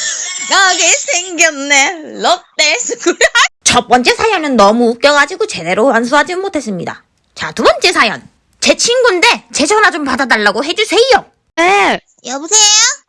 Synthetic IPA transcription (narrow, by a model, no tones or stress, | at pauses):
naɡesʰeŋɡjʌnnelʌt͈esʰɯɡuɾt͡ɕʌp͈ʌnt͡ɕ͈e̞sʰajʌnɯnːʌmuːp̚k͈̚jʌɡad͡ʑiɡot͡ɕe̞de̞ɾowans̬ʰuɦad͡ʑinomotʰe̞s͈ɯmɲida̰ | t͡ɕatubʌnt͡ɕ͈e̞sʰajʌn | t͡ɕe̞t͡ɕʰinɡonde̞t͡ɕe̞t͡ɕʰʌnad͡ʑompadadaɭːaɡoɦe̞d͡ʑusʰe̞ijo | e | jʌbusʰejo